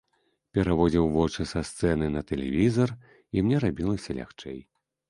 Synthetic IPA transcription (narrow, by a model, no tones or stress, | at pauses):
pʲɛɾavɔd͡zʲiwvɔt͡ʂɨsast̪sɛnɨnɐt̪ɛlʲɛ̰vʲizɐr | imnʲɛɾabʲilˠɐsʲɐlʲa̰xt͡ʂɛ̰j